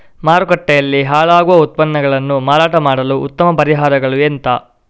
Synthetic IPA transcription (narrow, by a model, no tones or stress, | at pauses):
maːɾukɐʈːɛjɐlːiɦaːɭaːɡuʋɐut̪̚pɐnːɐɡɐɭɐnːumaːɾaːʈɐmaːɽɐluʔut̪ːɐmɐpɐɾiɦaːɾɐɡɐɭuent̪ɐ